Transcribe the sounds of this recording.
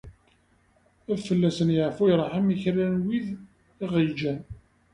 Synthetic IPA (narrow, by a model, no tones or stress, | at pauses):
æðfəlːæsənjəʕfujɾˤħamiçɾænwið | iʁid͡ʒæn